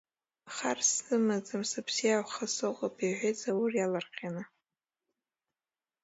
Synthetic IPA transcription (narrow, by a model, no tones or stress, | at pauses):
aχarsɨmazɨmsɨpʰsiawʷχasɨqʼapʰʼiʕʷet͡sʰʼawʊrjalarqʲʰʼanɨ